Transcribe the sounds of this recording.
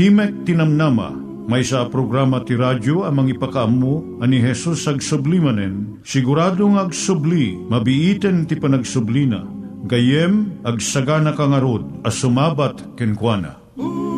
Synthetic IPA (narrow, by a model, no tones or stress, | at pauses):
himɛk̚t̪inɐmnama̰ | mɐjsapɾoɡɾamɐt̪iɾadoɐmɐŋipɐkɐʔɐmːo | ɐniɦɛsusɐɡsʊblimɐnɛn | sɪɡʊɾaːd̪oŋɐɡsʊblimɐbiʔiːt̪ɛnt̪ɪpɐnɐɡsʊblina̰ɡɐjɛmɐɡsɐɡanɐkaŋɐɾod̪̚ɐsʊmaːbat̪kɛnkwana̰